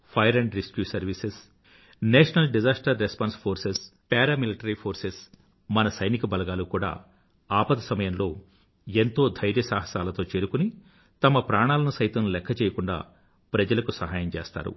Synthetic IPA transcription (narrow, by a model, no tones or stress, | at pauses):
pʰɐjɐɾɐɳɖɾiskjuːsɐɾʋises | neːʂɐnɐlɖid͡ʒaːsʈɐɾːespaːnspʰoːɾsespɛːɾaːmiliʈɐɾipʰo̞ːɾses | mɐnɐsɐjnikɐbɐlɐɡaːlukuːɽa̰ː | aːpɐt̪ɐsɐmɐjɐmlo̞ː | ent̪o̞ːd̪ʱɐjɾjɐsaːɦɐsaːlɐt̪o̞ːt͡ʃe̞ːɾukuni | t̪ɐmɐpɾaːɳaːlɐnɐsɐjt̪ɐmlɛkʰːɐt͡ʃɛːjɐkuɳɖa̰ː | pɾɐd͡ʒɐlɐkusɐɦaːjɐmt͡ʃeːst̪a̰ːɾṵ